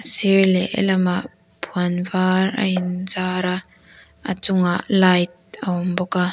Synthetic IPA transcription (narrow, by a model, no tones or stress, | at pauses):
əsirlɛʔɛ̰lɐmaʔ | pʰuanvaːrəinzaːɾa | ʔə̰t͡sʊŋaʔlajt̚əɔmbɔka